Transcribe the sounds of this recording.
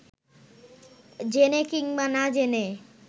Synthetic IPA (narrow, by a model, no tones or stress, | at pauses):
d͡ʑenekiŋbanad͡ʑene